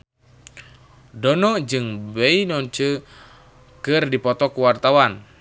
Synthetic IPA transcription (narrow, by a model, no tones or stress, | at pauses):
dɔnɔd͡ʒɨŋbɛinɔɲt͡ʃə | kɨrdipɔt̪ɔkuwart̪awan